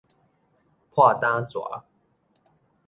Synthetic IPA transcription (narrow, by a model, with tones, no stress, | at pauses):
pʰwa˥˨t̪ã˦t͡swɔ̰˨˩˦la̰˦